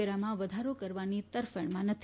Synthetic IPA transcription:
eɾamãʋəd̪ʱaɾokəɾʋanit̪əɾfəɳ̃mãnət̪ʰ

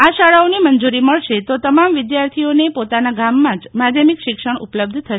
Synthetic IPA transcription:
aʃaɭaonimənd͡ʒuɾiməɭʃet̪ot̪əmamʋɪd̪jaɾt̪ʰionepot̪anaɡamːãd͡ʒmad̪ʱjəmikʃɪkʃəɳupləb̚d̪ʱt̪ʰəʃe

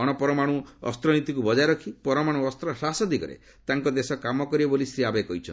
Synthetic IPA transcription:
ɔɽ̃ɔpɔɾɔmaɽ̃ũɔ̰st̪ɾɔnit̪ikubɔd͡ʒaɾɔkʰipɔɾɔmaɽ̃uɔst̪ɾɔsasɔd̪ikɔɾḛ | t̪aŋkɔd̪esɔkamɔkɔɾibɔbolisɾiabekɔɦit͡ʃʰɔn

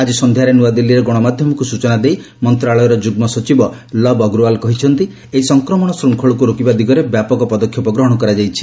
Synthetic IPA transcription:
ad͡ʒisɔnd̪ʱjaɾenuad̪ilːiɾeɡɔɽ̃ɔmad̪ʱjɔmɔkusut͡ʃɔnad̪ej | mɔnt̪ɾaɭɔjɔɾɔd͡ʒuɡmɔsɔt͡ʃibɔlɔbɔɡɾualkɔɦit͡ʃʰɔnt̪i | eisɔŋkɾɔmɔɽ̃ɔsɾuŋkʰɔɭɔkuɾokibad̪iɡɔɾebjapɔkɔpɔd̪ɔkʰjɔpɔɡɾɔɦɔɽ̃ɔkɔɾad͡ʒajt͡ʃʰi̥

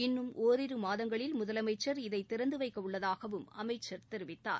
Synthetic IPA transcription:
ɪnːɯmʔoːɾɪɾɯmaːðɐŋɡɐɭɪlmʊðɐlɐmɐɪt͡ʃːɐɾɪðɐɪt̪ːɪɾɐnd̪ɯʋɐɪkːɐʊɭːɐðaːɣɐʋɯmɐmɐɪt͡ʃːɐɾt̪ɛɾɯʋɪt̪ːa̰ːɾ

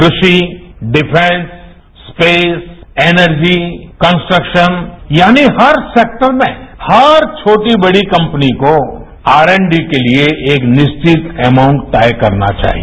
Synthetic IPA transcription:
kɾʊʃiɖɪpʰẽnsː | peːseːnəɾd͡ʒikə̃nsʈɾəkʃənjaːniɦɐɾseːk̚ʈəɾmẽhɐɾt͡ʃʰoːʈibɐɽikɐ̃mpniko | aːɾẽɳɖikelieʔeːknɪʃt͡ʃɪt̪ɛːmãːʊ̃ɳʈːaːjkɐɾna̰t͡ʃa̰ːɦḭ

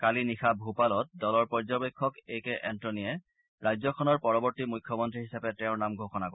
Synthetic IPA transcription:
kalinixʰabʱupalɔt̚dɔlɔɹpɔɹzɔbekʰːɔkejkɛʔɛntɹɔnijɛ | ɹajzɔkʰɔnɔɹpɔɹɔbɔɹtimujkʰːɔmɔntɹiɦisapɛtɛʊ̃ɹnamɡʱoxɔnakɔ

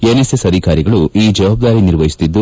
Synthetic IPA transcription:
enesesɐd̪ʱikaːɾiɡɐɭuiːd͡ʒɐʋaːb̚d̪aːɾiniɾʋɐɦjist̪id̪ːu

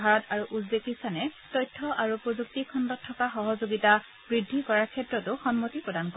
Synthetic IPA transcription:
aɹɔtaɹuʔuzbekisanɛ | tɔjtʰːɔʔaɹupɹozuk̚tikʰɔndɔtʰːɔkaxɔɦɔzoɡita | b̥ɹidʱːikɔɹaɹkʰɛtɹɔtʊxɔnmotipɹɔdankɔ

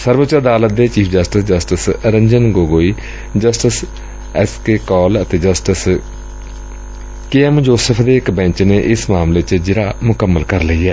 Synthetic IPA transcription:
səɾʋət͡ʃəɾəd̪aːlət̪̚d̪eːt͡ʃiːpʰd͡ʒəsʈəsd͡ʒəsʈəsɾəɲd͡ʒənɡoːɡoːiː | d͡ʒəsʈəs | ɛskeːkɔːlət̪eːd͡ʒəsʈəs | keːɛmd͡ʒoːsəpʰd̪eːɪkbɛ̃ːt͡ʃneːʔɪsmaːmleːt͡ʃd͡ʒɪɾaːmʊkəmːəlkəɾləiːɛː

